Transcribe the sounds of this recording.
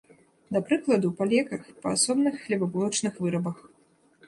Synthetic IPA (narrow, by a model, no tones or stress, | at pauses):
d̪ɐpɾɨklˠɐd̪upalʲɛkɐxpɐasɔbnɨxːlʲɛbabulˠɐt͡ʂnɨxvɨɾɐbɐx